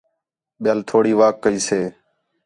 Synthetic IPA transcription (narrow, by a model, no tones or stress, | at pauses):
ɓɪjaːlt̪ʰoːɽiːʋaːkːəiːseː